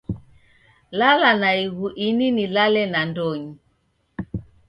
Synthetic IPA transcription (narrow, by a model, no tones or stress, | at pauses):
lalanaiɣuʔininilalɛnandɔɲi